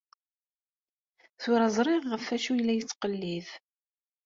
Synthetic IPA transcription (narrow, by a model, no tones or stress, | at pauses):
θʊɾæzˤɾˤiʁːəfːæʃujlːæjət͡sːqəlːiθ